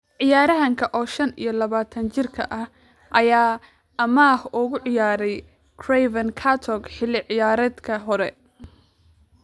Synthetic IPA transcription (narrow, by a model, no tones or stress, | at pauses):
ʕɪjaːɾɐɦɐŋkʰɐʔɔːʃɐnḭjɞlɐβaːt̪ʰɐnt͡ʃɪrkʰɐ̰ʔɐh | ʔɐjaː | ɐmaːhʊɣʊʕɪjaːɾɛj | kʰrɛvɐnkʰat̪ʰɔɡħɪlɪʕɪjaːɾɐːd̪kʰɐɦɔɾɛ̰